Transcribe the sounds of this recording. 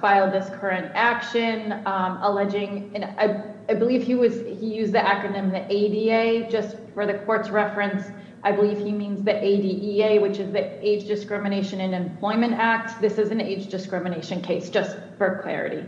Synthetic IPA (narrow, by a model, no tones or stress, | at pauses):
faɪlˠd̪̚ðɪskʰɜ˞ɨ̃ntækʃɨ̃nəlɛd͡ʒɪ̃ŋɨ̃aɪ | aɪbəliv̥iwʌz̥hijʉzðiʔækɹɨnɪ̃mðiʔeɪdieɪd͡ʒʌstfə˞ðɨkʰɔɹtsɹɛfɹɨ̃ns | ʔaɪbəliv̥imĩnzðiʔeɪdiʔieɪwɨt͡ʃɨzðieɪd͡ʒdɨskɹɪmɨñeɪʃɨ̃nɨ̃nɨ̃mpʰl̥ɔ̃ɪ̃mɨ̃ntæk̚t̚ðɪsɨzn̩eɪd͡ʒdɨskɹɪmɨneɪʃɨ̃nkʰeɪsd̥ʒ̥ʌst | fə˞kʰl̥ɛ̰ɹɨ̰ɾḭ